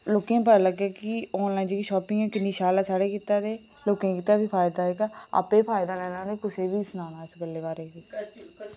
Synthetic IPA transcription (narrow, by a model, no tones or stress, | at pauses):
loːkãːp̬ələɡaːkɪɔ̃ːnlaːĩːnd͡ʒeːkiʃɔːpɪ̃ãːkɪnːiːʃaːlaːsaːɽeːkiːt̪ːaːd̪eː | loːkẽkiːt̪ːaːbiːpʰaːjd̪aːɦɛːkaa̰ːpeːpʰaːjɪd̪aːlɛːnãːd̪eːkʊseːbiːsənãːnaːskəlːeːbaːɾeːke